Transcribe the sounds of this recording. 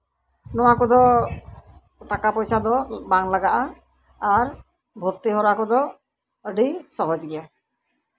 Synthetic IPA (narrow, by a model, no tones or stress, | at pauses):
nɔwakɔd̪ɔ | ʈakapɔjsad̪ɔbaŋlaɡaʔaː | ɾ | bʱuɾt̪iɦɔɾakɔd̪ɔ | əɖisɔɦɔd͡ʒɡɛja